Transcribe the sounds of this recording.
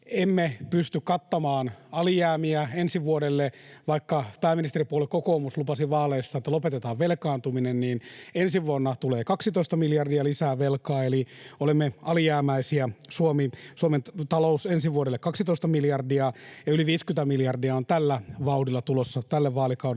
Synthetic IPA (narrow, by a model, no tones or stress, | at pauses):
emːepyst̪ykkɑt̪ːɑmɑːnɑlijæːmiæensiʋuodelːeʋɑikːɑpæːmːinist̪eripuolekkokoːmuslupɑsiʋɑːleːsːɑet̪ːælopet̪et̪ɑːʋʋelkɑːnt̪uminenniːnensiʋuonːɑt̪uleːkɑksit̪oˑist̪ɑmiljɑrdiɑlisæːʋelkɑːeliolemːeɑlijæːmæisiæsuomisuoment̪ɑlousensiʋuodelːekɑksit̪oˑist̪ɑmiljɑrdiɑjɑyliʋiːskyt̪æmiljɑrdiɑont̪ælːæʋɑudilːˑɑt̪ulosːɑt̪ælːeʋʋɑːlikɑud